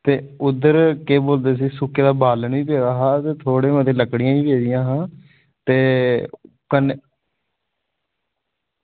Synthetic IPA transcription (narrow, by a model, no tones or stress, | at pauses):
t̪eːʊd̪əɾkeːboːld̪eːs̬iːsʊkeːd̪aːbaːləɳʋiːpeːd̪aːɦaːt̪eːt̪ʰoːɽẽːəd̪eːləkɽɪjãːiːpeːd͡ʒɪjãːɦãː | t̪eː | kən